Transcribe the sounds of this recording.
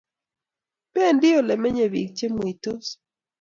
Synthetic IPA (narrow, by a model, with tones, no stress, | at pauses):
pɛ˦˨ndɪ˦o˨lɛ˨mɛ˦ɲe˨bḭ˨k̚t͡ʃe˦mwi˨to˦s